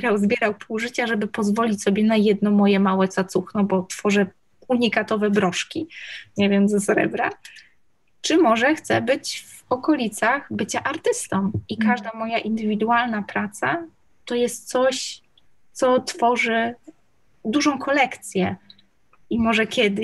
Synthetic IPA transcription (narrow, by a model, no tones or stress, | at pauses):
ɾawzbʲjɛɾawpʰuwʐɘt͡ɕaʐɛbɘpɔzvɔlʲit͡ɕʲsɔbʲjɛnajɛd̪nɔmɔjɛmawɛt̪sat̪suxnɔbɔt̪fɔʐɛ | uɲikat̪ɔvɛbɾɔʂkʲiɲɛvʲjɛmzɔsɾɛ̰bɾa̰ | t͡ʂɘmɔʐɛxt̪sɛbɘt͡ɕv | ɔkɔlʲit̪saɣbɘt͡ɕaʔaɾt̪ɘst̪ɔmikaʐd̪amɔjaʔind̪ɘvʲid̪ualnapɾat̪sa | t̪ɔjɛst̪̚t̪sɔɕ | t̪sɔt̪fɔʐɘ | d̪uʐɔ̃w̃kʰɔlɛkt̪sʲjɛ | imɔʐɛkʲʰɛd̪ɘ